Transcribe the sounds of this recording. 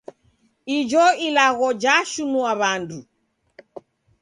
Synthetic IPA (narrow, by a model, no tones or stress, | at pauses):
id͡ʒɔilaɣɔd͡ʒaʃunuaβandu